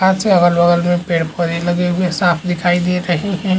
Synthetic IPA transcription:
ɦãːt̪seɐɡəlʋɐɡəlmẽpeːɽpəɾelɐɡeɦʊesaːpʰd̪ɪkʰaːid̪ieɾɐɦiɦɛ̃

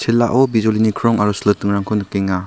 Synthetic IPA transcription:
sʰelːa̰ʔɔbizɔlinikʰɾɔŋaɾɔslɯtɯŋɾaŋkʰɔnkeŋa

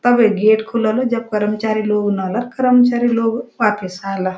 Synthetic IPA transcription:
t̪əbeɡeʈkʰuləlod͡ʒəb̚kəɾəmət͡ʃaɾiloɡnəɦləɾkəɾəmət͡ʃaɾiloɡʋapəsaɦlə

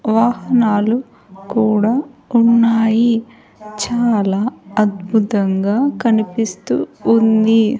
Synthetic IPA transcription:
ʋaːhɐnaːlu | kuːɽaːunːaːji | t͡ʃaːlaːɐd̪̚bʱut̪ɐŋɡaːkɐnipist̪ṵːnd̪i

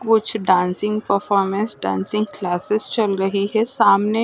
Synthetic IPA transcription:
kʊt͡ʃʰɖãːnsɪ̃ŋɡpəɾfʰɔːɾmɛ̃nsɖã̰ːnsɪ̃ŋɡklaːsɪst͡ʃɐlɾɐɦiɦɛsaːmne

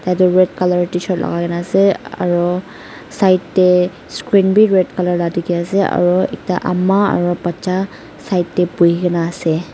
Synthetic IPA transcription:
tajtɔɹɛdkalaɹtisɔt̚lʔa̰ɡakanaːsɛa̰ɹu | sajtːɛ | skɹinbiɹɛdkalaɹladikɛasɛa̰ɹuɛ̰k̚taʔa̰maa̰ɹupat͡ʃa | sajtːɛpujikanaːsɛ

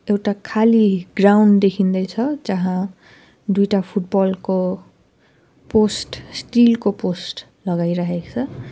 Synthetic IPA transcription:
ewʈakʰaliɡrawɳɖd̪ekʰind̪ʌjt͡sʰʌd͡zʌɦã | d̪ujʈapʰuʈ̚bʌlko | posʈsʈilkoposʈ | lʌɡajɾaɦekt͡sʰʌ

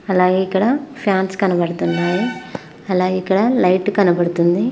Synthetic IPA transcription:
ɐlaːɡeːikːɐɽɐpʰjaːnskɐnɐbɐɽut̪unːaːji | ɐlaːɡikːɐɽɐlɐjʈkɐnɐbɐɽut̪und̪i

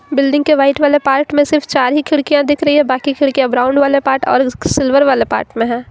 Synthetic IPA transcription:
bɪlɖɪ̃ŋɡkeʋaːɪʈʋaːlepaːɾʈmẽsɪɾft͡ʃaːɾɦikʰɪɽkijãd̪ɪkʰɾɐɦiɦɛ̃baːkikʰɪɽkijãbɾaːʊ̃ɳɖʋaːlepaːɾʈɔ̰ːɾsɪlʋəɾʋaːlepa̰ːɾʈmẽɦɛ̃ː

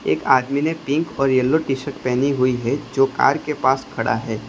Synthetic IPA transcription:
ḛːkaːd̪minepɪ̃ŋkɔːɾjɐlːoʈiʃəʈ̚pɛːniɦʊiɦɛd͡ʒoːka̰ːɾkepaːskʰɐɽa̰ɦɛː

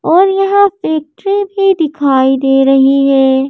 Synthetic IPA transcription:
ɔːɾjɐɦãfeːk̚ʈɾĩbʱid̪ɪkʰaːid̪eːɾɐɦiɦɛː

